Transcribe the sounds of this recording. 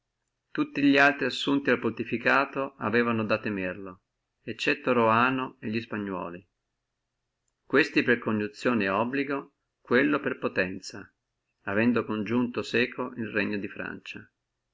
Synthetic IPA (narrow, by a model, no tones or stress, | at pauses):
t̪ut̪ːiʎialt̪ɾiasːunt̪ialpolt̪ifikaːt̪oa̰vɛːvanod̪at̪ːemerlo | et͡ʃːɛt̪ːoɾoaːnoeʎːispaɲːwɔ̰ːli | kwest̪iperkoɲːut̪sːjoːneɔbːliɡo | kwelːoperpot̪ɛnt̪sa | avɛnd̪okond͡ʒunt̪osɛːkʰoʔilreɲːod̪ifɾa̰nt͡ʃa